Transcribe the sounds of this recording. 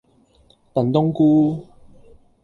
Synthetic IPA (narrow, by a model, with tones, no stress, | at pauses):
t̪ã˨˩nt̪ɔ˦ŋku˦